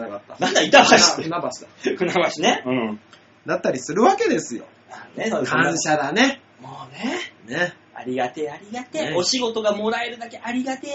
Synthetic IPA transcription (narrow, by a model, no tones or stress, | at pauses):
nakat̪ːanãnd̪ait̪abaɕi̥t̪kɯ̟nabaɕi̥d̪akɯnabaɕineɯ̃ | d̪at̪ːaɾʲisɨɾɯ̟βake̞d̪e̞sɨjo̞̰ | aneokʰãɰ̃ɕad̪ane̞ | moːnene | a̰ɾʲiɡat̪eaɾʲiɡat̪eo̞ɕiɡo̞t̪o̞ɡamo̞ɾaeɾɯ̟d̪ake̞ʔaɾʲiɡat̪e